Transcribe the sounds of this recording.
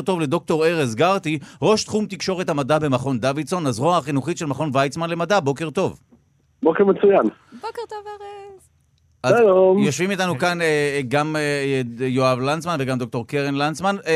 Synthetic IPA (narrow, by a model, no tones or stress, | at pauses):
ʁt̪o̞vle̞d̪o̞k̚t̪o̞ʁeʁezɡaʁt̪iʁo̞ʃt̪χumt̪ikʃo̞ʁethamadabe̞maχo̞nd̪avidso̞nazʁoaχinuχitʃe̞lmaχo̞nvajt͡smanle̞madabo̞ke̞ʁt̪o̞v | bokeʁmet͡sujan | bokt̪ovv | azalomjoʃvimit̪anukaneɡam | joavlant͡smanveɡamd̪o̞k̚t̪oʁkeʁenlant͡sman